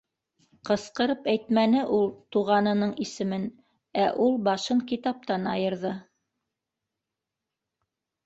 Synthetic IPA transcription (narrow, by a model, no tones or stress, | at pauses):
qɤ̆sqɤ̆ɾɤpæjt̪mænɘʔulˠt̪uʁɑnɤ̆nɤɴisɘ̆mɘn | æʔulˠbɑʃɤɴkit̪ɑp̚t̪ɑnɑjɤ̆ɾðɤ